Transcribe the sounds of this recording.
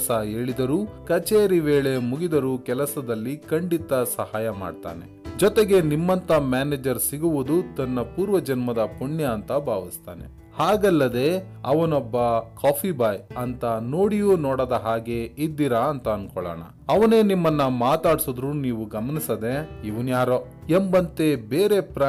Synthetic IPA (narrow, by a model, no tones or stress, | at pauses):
sɐe̞ːɭid̪ɐɾuːkɐt͡ʃeːɾiʋe̞ːɭe̞muɡid̪ɐɾukɛlɐsɐd̪ɐlːikɐɳɖit̪ɐsɐhaːjɐma̰ːɖt̪a̰ːnḛ | d͡ʒɔt̪eɡe̞nimːɐnt̪ɐmaːneːd͡ʒɐɾsiɡuʋud̪ut̪ɐnːɐpuːɾʋɐd͡ʒɐnmɐd̪ɐpuɳjɐːnt̪ɐbʱaːʋist̪a̰ːne̞̰ | haːɡɐlːɐd̪e̞ | ɐʋɐnɔbːɐkaːpʰibɐːjɐnt̪ɐnoːɽijuːnɔːɽod̪ɐɦaːɡe̞id̪ːiɾɐɐnt̪ɐːnkɔɭɐ̰ːɳɐ̰ | ɐʋɐne̞ːnimːɐnːɐmaːt̪aːɽsod̪ɾuniːʋuɡɐmɐnisɐd̪e̞iʋunjaːɾo | embɐnt̪e̞beːɾe̞pɾa